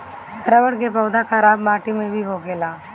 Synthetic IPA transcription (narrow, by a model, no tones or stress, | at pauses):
ɾəʋəɽk̬epɐːd̪akʰaɾaːbmaːʈimẽbʱiɦoɡeːlaː